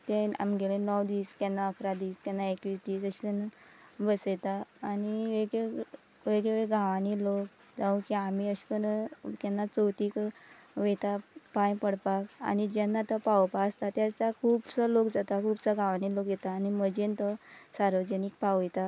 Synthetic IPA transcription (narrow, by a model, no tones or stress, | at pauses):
t̪ea̰mɡelenɔwd̪iːskɛnːaəkʰɾad̪iːsk̪jɛnːaekʋiːsd̪iːsəɕi̥kən | bəsjet̪aːniʋeɡe | ʋeɡɭeʋeɭeɡʱãʋanilok | d͡zaʋũkiamiəɕi̥kənkɛnːat͡səwt̪iːkʋet̪apãjpəɽpaka̰nid͡ʑɛnːat̪əpawpaəst̪at̪jad͡zt͡sakʰuːbt͡səlokd͡zat̪akʰuːbt͡səɡʱãʋanilokjɛt̪aːniməd͡ʑent̪əsaɾʋəd͡ʑənik̚pawɛt̪a